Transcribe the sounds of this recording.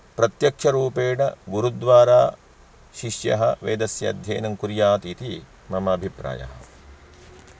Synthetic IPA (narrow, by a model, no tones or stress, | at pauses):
pɾɐt̪jɐkʂɐɾuːpeːɽɐɡuɾud̪ʋaːɾaː | ʃiʂjɐ̰ɦɐʋḛːd̪ɐsjɐɐd̪ʱjḛːnɐŋkuɾjaːt̪it̪i | mɐmɐːbʱipɾa̰ːjɐ̰ɦɐ̰̆